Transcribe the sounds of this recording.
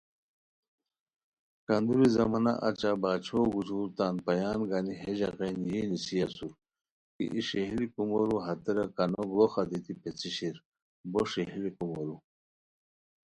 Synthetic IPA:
kand̪uɾizɐmɐna̰ʔa̰t͡ɕabaːt͡ɕʰoɡuzuːɾt̪aːnpɐjaːnɡaniɦed͡ʑɐɣenjinisiɐsuɾ | kḭʔiʂeɦilikumoɾuɦɐt̪eɾɐkɐnoɡloxad̪it̪ipet͡siɕiɾ | boʂiɦilikumoɾu

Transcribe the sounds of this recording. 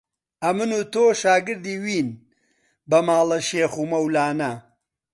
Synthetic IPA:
ɐmɨnuːt̪oːʃaːɡɨɾd̪iːwiːn | bɐmaːlɐʃeːxumɐwlaːnɐ

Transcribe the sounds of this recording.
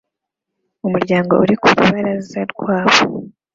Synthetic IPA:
umuɾɟaːŋɡouɾikuɾuβaɾazaɾɡwaːβo

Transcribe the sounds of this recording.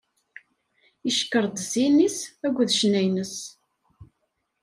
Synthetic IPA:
iʃkːəɾˤd̪sinisæɡʷːðʃnæjnəs

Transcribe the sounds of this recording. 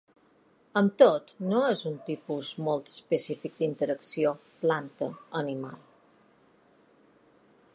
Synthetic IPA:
əmt̪ot̪noezunt̪ipuzmolˠt̪ə̥spəsifik̚d̪int̪əɾəksioplant̪əənima̰lˠ

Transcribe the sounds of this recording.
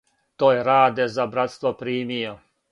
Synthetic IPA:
t̪oːjeɾaːd̪ezabɾat̪st̪ʋopɾiːmijo

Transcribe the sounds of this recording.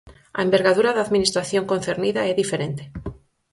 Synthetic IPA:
a̰embe̞ɾɣaðuɾaðaðminist̪ɾaθjo̞ŋko̞n̟θeɾniðaeðifeɾent̪e

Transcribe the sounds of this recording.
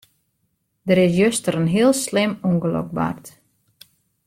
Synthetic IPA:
dəɾɪs̬jøstəɾənɦiəlˠslɪmuŋɡəlo̰k̚ba̰rt

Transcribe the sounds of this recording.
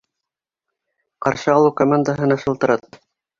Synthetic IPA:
qɑɾʃɤɑlˠukomand̪aɦɤ̆nɑʃɤ̆lˠt̪ɤ̆ɾɑt̪̚

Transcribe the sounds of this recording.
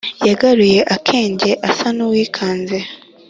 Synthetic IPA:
jaɡaɾuje̞ʔakʰe̞ːɲɟe̞ʔasanuwiːkʰaːnze

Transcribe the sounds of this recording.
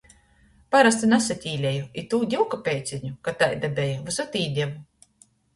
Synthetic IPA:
paɾast̪inasat̪ʲiːlʲɛjuit̪uːd̪ʲiwkapʲɛjt̪sʲiɲukat̪ajd̪ɛbʲɛjavasat̪iːd̪ʲɛmu

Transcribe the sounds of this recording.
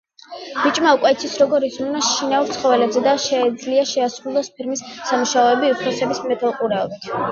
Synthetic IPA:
b̥it͡ʃʼmaukʼwɛit̪sʰisɾɔɡɔɾid̪zɾunaʃinauɾt̪sʰχɔvɛlɛbzɛd̪aʃɛːd̪zliaʃɛasɾulˠɔspʰiɾmisːamuʃaɔɛbiupʰɾasɛbismɛt̪ʰɛlˠqʼuɾɛɔbit̪ʰ

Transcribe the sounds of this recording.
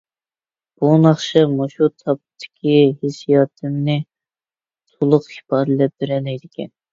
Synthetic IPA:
b̥unɑχʃɨmoʃut̪ʰɑp̚t̪ʰːɪ̥kʲʰihɪsijɑːt̪ʰɨmnɨ | t̪ʰolˠʊqi̥pɑːɾɨlɛp̚bɪɾɛlɛjd̪ɪkʲɛ̰n

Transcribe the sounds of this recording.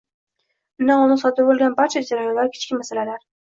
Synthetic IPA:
mnaʊnɪsɒt̪ɪb̚bolˠɡʲanbaɾt͡ʃʰad͡ʒaɾajonlaɾkʲʰɪ̥t͡ʃkʲɪmasalalaɾ

